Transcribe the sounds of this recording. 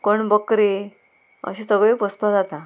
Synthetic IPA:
kəɳbəkɾi | ə̰ɕisəɡɭepəspad͡zat̪a

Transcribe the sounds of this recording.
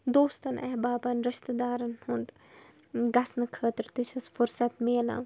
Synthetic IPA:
d̪oːst̪ɐnʔɐɦbaːbɐnɾɐʃt̪ɐd̪aːɾɐnhund̪ | ɡɐsnɨkʰəːt̪ɾt̪it͡ʃʰɐsfʊɾsɐt̪meːlã̰

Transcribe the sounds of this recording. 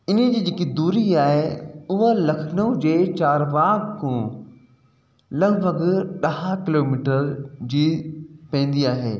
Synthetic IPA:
ɪnəd͡ʑiːd͡ʑeːkid̪uːɾiaːɦeʊɦəlɐkʰnõd͡ʑeːt͡ɕaːɾʋaːɡkũː | lɐɡbʱɐɡɗɐɦakɪloːmiːʈəɾd͡ʑiːpɐ̃ːn̆d̪iaːɦḛː

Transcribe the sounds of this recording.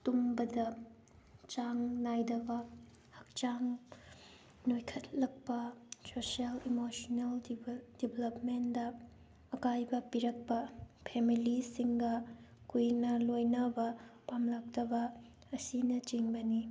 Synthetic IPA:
tumbɐdɐ | t͡ʃaŋnajdɐbɐ | hɐk̚t͡ʃaŋ | nojkʰɐt̚lɐk̚pɐsosialimosoneldibʱlɐpmendɐː | kajbɐpiɾɐk̚pɐpʰemilisiŋɡɐkujnɐlojnɐbɐpamlɐk̚tɐbɐ | ɐsinɐt͡ʃiŋbɐni

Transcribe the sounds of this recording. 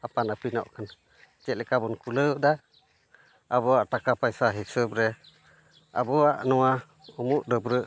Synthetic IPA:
apanapinɔ̰ʔkʰan | t͡ʃɛʔlɛkabɔnkuləwd̪a | aβɔaʔʈakapajsaɦisəbɾɛ | a̰bɔaʔnɔwa | umuʔdəbɾəʔ

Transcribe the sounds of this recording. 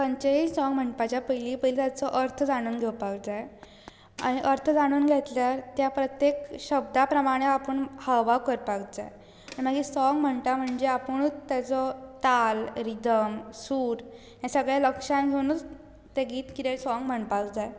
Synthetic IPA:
pəɲt͡ɕeit͡ssɔŋɡm̤əɳpat͡ɕjapəjliːpəjlit̪jat͡sɔʔəɾt̪ʰd͡zaɽ̃uːnɡʱewpaɡd͡zaj | a̰ɽ̃iʔəɾt̪ʰd͡zaɽ̃uːnɡʱet̪ljaɾt̪japɾət̪jekɕəb̚d̪apɾəmaɽ̃eapəɳhaʋakəɾpaɡd͡zaj | aɽ̃im̤aɡiːsɔŋɡm̤əɳt̪am̤əɳd͡zeapəɳ̃ut͡st̪ːjat͡sɔt̪alɾid̪əmsuːɾ | jãsəɡɭjaləkʂanɡʱenuːt͡s | t̪eɡiːt̪kit̪elsɔŋɡm̤əɳpakd͡zaj

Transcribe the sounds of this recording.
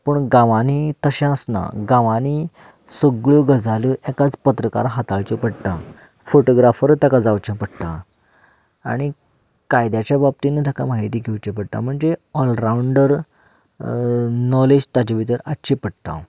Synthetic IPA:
pəɳɡãʋanit̪əɕɛ̃əsna̰ɡãʋani | səɡɭuɡəd͡zaluʔɛkat͡spət̪ɾəka̰ɾɦat̪aɭt͡ɕəpəɽt̪a̰ | foʈoɡɾafəɾt̪akad͡zawt͡ɕə̃pəɽt̪ã̰ | a̰ɽ̃i | kajd̪jat͡ɕjabab̚t̪inːat̪ʰakamaɦit̪iːɡʱewt͡ɕẽp̬əɽt̪a̰m̤əɳd͡zeɔlɾauɳɖəɾ | nɔled͡ʑt̪at͡ɕaʋit̪əɾatːɕipəɽt̪ã̰

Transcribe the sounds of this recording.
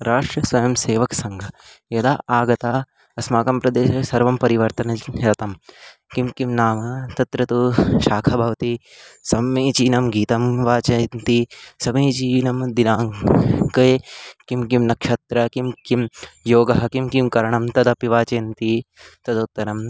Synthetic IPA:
ɾaːʂʈɾɐsʋɐjɐmseːʋɐksɐŋɡʱɐjɐd̪aːaːɡɐt̪aː | ɐsmaːkɐmpɾɐd̪eːʃɐsɐɾʋɐmpɐɾiʋɐɾt̪ɐnɐjɐt̪ɐmkimkimnaːmɐt̪ɐt̪ɾɐt̪uʃaːkʰɐbʱɐʋɐt̪i | sɐmeːt͡ʃiːnɐmɡiːt̪ɐmʋaːt͡ʃɐnt̪isɐmeːt͡ʃiːnɐmd̪inaːŋkɐkimkimnɐkʂɐt̪ɾɐkimkimjoːɡɐɦɐkimkimkɐɾɐɳɐmt̪ɐd̪ɐpiʋaːt͡ʃɐːnt̪it̪ɐd̪ɐut̪ːɐɾɐm

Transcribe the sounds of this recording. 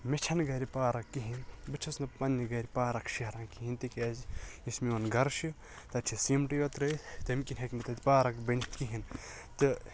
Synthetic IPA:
met͡ʃʰɐnɡɐɾʲipaːɾɐkːiɦinbɨt͡ʃʰɐsnɐpɐnːiɡɐɾʲipaːɾɐkʃiɦɾaːnkiɦint̪ikʲaːzismionɡɐɾʃu | t̪ɐt͡ʃʲʰisimʈiot̪ɾɐjt̪ɐmkinʲɦɐkʲmɐt̪ɐt̪ʲipaːɾɐkbɐnit̪kiɦin | t̪ɨ

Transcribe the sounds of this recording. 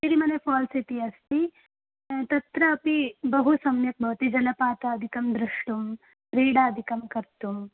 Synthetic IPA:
iɾimɐnepʰɔːlsit̪iɐst̪i | t̪ɐt̪ɾɐːpibɐɦusɐmjɐk̪̚bʱɐʋɐt̪id͡ʒɐlɐpaːt̪ɐɐd̪ʱikɐmd̪ɾuʂʈum | ɾiːɽaːd̪ʱikɐmkɐɾt̪um

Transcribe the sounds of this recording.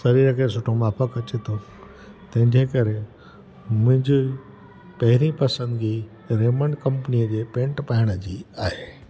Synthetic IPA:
sɐɾiːɾəkʰẽsʊʈʰomaːfʰəkɐt͡ɕet̪ʰo | t̪ɐ̃ɦɪ̃ɲd͡ʑekɐɾe | mʊ̃ɦɪ̃ɲd͡ʑi | pɐɦɪɾipɐsə̃nd̪d͡ʑiː | ɾeːməɳɖkɐ̃mpəniəd͡ʑeːpẽːɳʈpaːɪɽ̃əd͡ʑiːaːɦeː

